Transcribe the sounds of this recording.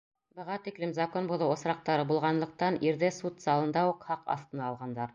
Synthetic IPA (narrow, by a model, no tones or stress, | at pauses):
bɤ̆ʁɑt̪iklɘmzɐkonbuðɤwŏsɾɑq̚t̪ɑɾɤbulˠʁɑnlˠɤ̆q̚t̪ɑniɾðɘsut̪zɑlˠɤ̆nd̪ɑuqhɑqɑ̰θt̪ɤ̆nɑːlˠʁɑnd̪ɑɾ